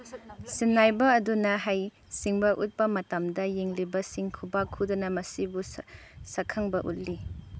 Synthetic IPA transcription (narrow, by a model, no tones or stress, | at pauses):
sinːajbɐːdunɐɦaj | siŋbɐʔut̚pɐmɐtɐmdɐjeŋlibɐsiŋkʰubakʰudɐnɐmɐsibusɐkʰɐŋbɐʔṵt̚li